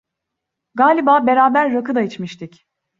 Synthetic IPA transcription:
ɡaːlʲibaːbe̞ɾaːbæɾːakɯd̪ait͡ʃmiʃt̪ʰic

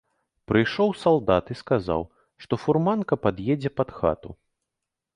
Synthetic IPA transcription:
pɾɨjʂɔwsalˠd̪at̪iskaza̰w | ʂt̪ɔfurmankɐpad̪jed͡zʲɛpɐd̪xa̰t̪u

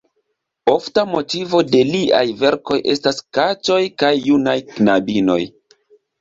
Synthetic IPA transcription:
o̞ftamo̞tivo̞de̞liʔa̰jve̞ɾko̞jʔe̞staskat͡ʃo̞jkajːunajknabino̞̰j

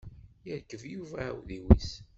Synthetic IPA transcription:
jəɾkːəvjuvæwðiwis

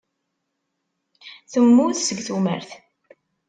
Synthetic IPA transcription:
θəmːuθsəɡθumə̰ɾθ

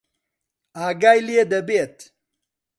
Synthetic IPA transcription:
aːɡajlijed̪ɐbet̪

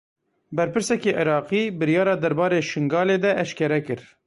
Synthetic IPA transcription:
bɛɾpɨɾsɛkeːʔɪɾɑːqiːbɨɾijɑːɾɑːd̪ɛɾbɑːɾeːʃɨŋɡɑːleːd̪ɛʔːʃkɛɾɛkɨɾ

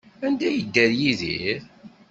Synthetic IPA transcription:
ænd̪æjəd̪ːæɾjiðiɾ

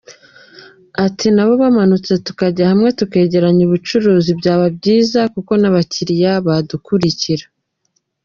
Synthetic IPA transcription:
atʰinaβo̞βamanut͡se̞tu̥kaɟahamŋe̞tuke̞ːɟe̞ɾaɲuβut͡ʃuɾuːzibɟaːβabɟiːzakuko̞naβaciɾijaβadukuɾiciɾa

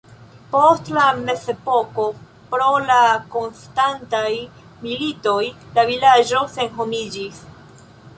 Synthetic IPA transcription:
po̞stlame̞se̞po̞ko̞ | pɾo̞lako̞nstantaj | milito̞j | lavilad͡ʒo̞se̞nɦo̞mid͡ʒis

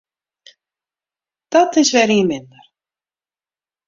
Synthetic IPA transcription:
t̪at̪ɪsvɛɾjəmɪnːaɾ̥

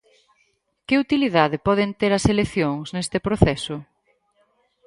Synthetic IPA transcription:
kɪut̪iliðaðɪpɔð̞ɪnt̪eɾɐseleθjoŋsnest̪ɪpɾoθɛsʊ

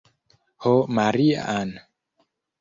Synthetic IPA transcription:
homaɾia̰ːn

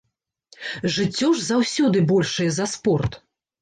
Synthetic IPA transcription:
ʐɨt͡sʲːɔʐzawsʲɔd̪ɨbɔlʲʂɨjɛzɐspɔrt̪

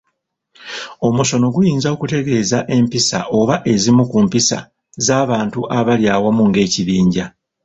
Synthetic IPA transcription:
o̞muʃo̞no̞ɡujiːnzao̞kute̞ɡe̞ːzaʔe̞mpisa̰ʔo̞βaʔe̞zimukumpisa̰ | zaːβaːntuʔaβaljaːwamuŋɡe̞ːciβiːɲɟa

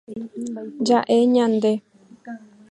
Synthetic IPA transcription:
d͡ʒaʔeɲãnd̪e

